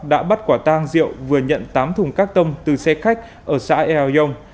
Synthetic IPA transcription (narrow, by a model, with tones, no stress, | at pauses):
ɗa̰ː˧˥ɓa˦˥t̚kwaː˧˩t̪aː˧ŋzḭ˧˨əwvɨ˨˩əɲə̰˧˨nt̪aː˨˦mt̪ʰʊ˨˩ŋ͡mkaː˦˥k̚t̪ə˧wŋ͡mt̪ɨ˨˩sɛ˧xa˦˥jk̟̚ | ʔəː˧˩sa̰ː˧˥ʔɛ˧a˧zə˧wŋ͡m